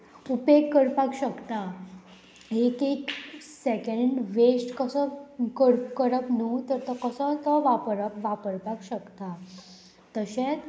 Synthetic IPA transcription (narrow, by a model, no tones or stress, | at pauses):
upekːəɾpakɕəkt̪a | ekeksekə̃ɳɖʋesʈkəsəkəɾpkəɾəpnut̪əɾt̪əkəsə̃t̪əʋapəɾəpʋapəɾpakɕəkt̪a | t̪əɕẽt͡s